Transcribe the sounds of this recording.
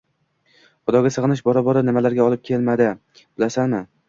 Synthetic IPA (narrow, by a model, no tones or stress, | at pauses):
χʊd̪ɒɡʲasɨʁɨnɪʃbɒɾabɒɾanɪmalaɾɡʲaɒlˠɪp̚kʲʰelmad̪ɪ | b̥ɪlasanmɪ